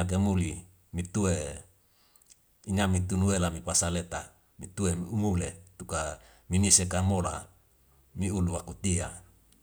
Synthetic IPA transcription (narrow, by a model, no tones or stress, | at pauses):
ak̬emuli | mit̪ue | iɲamit̪unuelamipasalet̪a | mit̪uemiumulet̪uka | minisekamola̰ | miuluwakut̪ia